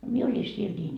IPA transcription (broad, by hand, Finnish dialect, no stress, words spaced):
mie olʲi siel nʲiːn